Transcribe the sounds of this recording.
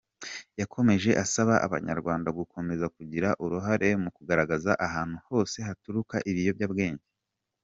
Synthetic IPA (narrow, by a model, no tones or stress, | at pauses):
jakʰo̞me̞ʒe̞ʔasaβaʔa̰βa̰ɲa̰ɾɡwaːndaɡukʰo̞me̞zakuɟiɾaʔuɾuɦaɾe̞mukuɡaɾaɡazaʔaɦaːn̥huho̞ːse̞ɦatuɾukaʔiβijo̞bjaːbɡe̞ːɲɟe